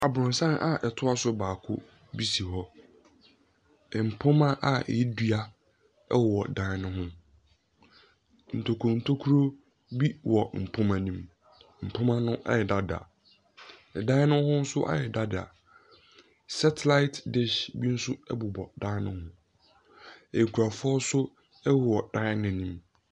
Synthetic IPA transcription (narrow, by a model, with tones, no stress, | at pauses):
a˨bʊ̃˨n̩˨sã˦na̰˨ʔɛ˨tʰʊ˦a˦sʊ˦baː˨kʰʊ̰˦ | bi˦si˨ɦɔ˦ | ɛ˨m̩˨pʰʊ̃˦mã˦ʔa˨ɛ̰˨ji˦dɥa˦ | ɛ̰˦wwɔ˨dã˦nʊ̃˦ɦʊ̃˦ | n̩˨tʰo˨kʰu˨o˨n̩˨tʰo˦kʰu˦ɾo˦ | bi˦wʔɔ˨m̩˨pʰʊ̃˦mã˨nĩ˦m | m̩˨pʰʊ̃˦mã˦nʊ̃˦ʔa̰˦jɛ˨da˦da̰˨ | ɛ˨dã˦nʊ̃˦hʊ̃˦n̩˦sʊ˦ʔa̰˦jɛ˨da˦dɪ˨a̰˨ | sɛ˦tʰla˦ɪ˦tdɪ˦ʃbi˦n̩˦sʊ˦ɛ˦bu˨bɔ˨dãː˦nʊ̰̃˦hʊ̃˦ | ɛ˨jkʰu˨a˨fʊ˦ɔ˦sʊ˦ | ɛ˦wwɔ˨d̥ã˦nɪ̃˦nĩ˦m